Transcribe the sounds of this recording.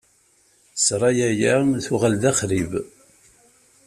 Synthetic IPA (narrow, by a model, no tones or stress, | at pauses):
sɾˤɑjæjæθʊʁalðæχɾiv